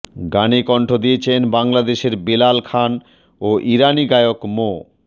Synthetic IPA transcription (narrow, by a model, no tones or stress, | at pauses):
ɡanikɔɳʈʰod̪iet͡ɕʰenbaŋlad̪eʃeɾbelalkʰan | oʔiɾaniɡajokmo